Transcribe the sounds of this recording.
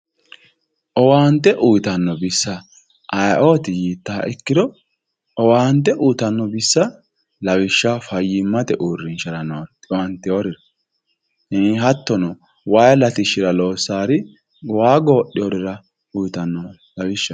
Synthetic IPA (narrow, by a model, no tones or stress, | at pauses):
ʔɔwaːnt̪ːɛʔujt̪ɐnːɔbɪsːɐ | ʔːjʔoːt̪ɪjiːt̪ːa̰ːʔɛkːɪd̪ɔ | ɔwaːnt̪ːɛʔuːt̪ɐnːɔbɪsːɐ | lɐwɪʃːafɐjːɪmːɐt̪ɛʔuːɾːɪnʃɐɾɐnɔtɪwɐnt̪ːɛɔɾɪɾ | hɪnɪɦɐt̪ːɔnɔ | wajlɐt̪ɪʃɪɾɐloːsaːɾɪ | waːɡo̞ːʔɪjɔɾɪɾɐ | ujt̪ɐnːɔ | lɐwɪʃːɐ